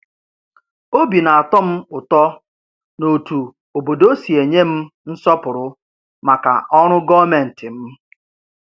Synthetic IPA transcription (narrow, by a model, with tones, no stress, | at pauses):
o˦bi˨na˨a˨tɔ˦m̩˦ʊ˨tɔ˦ | no˨tu˨ | o˨bo˨do˦si˨e˨ɲe˦m̩˦n̩˦sɔ˦pʊ˨ɾʊ˨ | ma˨ka̰˨ʔɔ˦ɾ̃ʊ˦ɡɔ˦me˨n̩˨tɪ˨m̩˦